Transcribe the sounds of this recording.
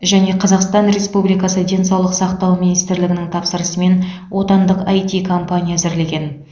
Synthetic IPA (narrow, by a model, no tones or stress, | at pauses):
ʒæne̞qʰɑzɑqst̪ɑnɾe̞spublijkɑsəd̪e̞nsɑwlˠəqsɑqt̪ɑwminijst̪ɪɾlɪɡʲɪnɪŋt̪ʰɑpsəɾəsəme̞n | wo̞t̪ɑnd̪əqɑjt̪ʲikʰo̞mpanʲijazɪɾle̞ɡʲe̞n